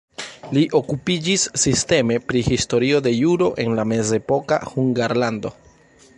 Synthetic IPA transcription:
liʔo̞kupid͡ʒisːiste̞me̞pɾihisto̞ɾio̞de̞juɾo̞ʔe̞nlame̞ze̞po̞ka̰huŋɡaɾlando̞̰

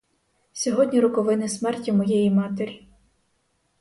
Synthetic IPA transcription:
sʲɔɦɔdʲnʲiɾʊkɔʋɪnɪsmɛrtʲimɔjejimɑt̪eɾʲi

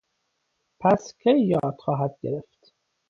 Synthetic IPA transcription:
pʰæscʰejːɒːɾd̪̥χɒːɦæd̪̚ɡeɾeft̪

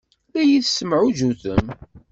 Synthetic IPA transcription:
læjiθsəmʕʊd͡ʒuθəm

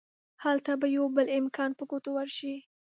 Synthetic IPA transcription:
halt̪abajawbəlɪmkʰɑnpəkot̪owaɾʃi

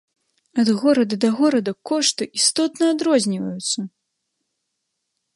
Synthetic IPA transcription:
ɐd̪ɣɔɾɐd̪ɐd̪ɐɣɔɾɐd̪ɐkɔʂt̪ɨʔist̪ɔt̪nɐad̪ɾɔzʲnʲivɐjut̪sːɐ

